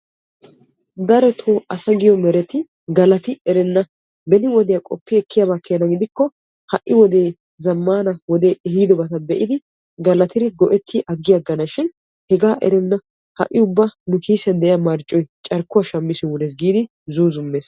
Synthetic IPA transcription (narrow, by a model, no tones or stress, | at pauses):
d̪ɐɾɛt̪ʰoːʔɐsɐɡɪjɔmɛɾɛt̪ɪ | ɡɐlɐt̪ɪɛɾɛnːɐ | bɛnɪwɔd̪ɛjakʼɔpːɪɛkːɪjabakːejnɐɡɪd̪ɪkːɔ | hɐʔːɪwɔd̪e̞ː | zɐmːaːnɐwɔd̪e̞ːɛhiːd̪ɔbɐt̪ɐbɛʔɪd̪ɪ | ɡɐlɐt̪ɪɾɪɡɔʔɛt̪ʰːɪʔɐɡːɪjɐɡːɐnɐʃɪn | hɛɡaːʔɛ̰ɾɛnːɐ | hɐ̰ʔːɪʊbːɐnʊkʰiːsɛnd̪ɛjɐmɐɾt͡ʃʼːɔjt͡ʃʼɐɾkːʊwɐʃɐmːɪsɪwʊneːs̬ɡiːd̪ɪ | zuːzʊmːeːs